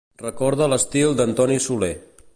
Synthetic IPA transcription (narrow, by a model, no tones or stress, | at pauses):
rəkɔɾðələst̪ilˠd̪ənt̪ɔnisule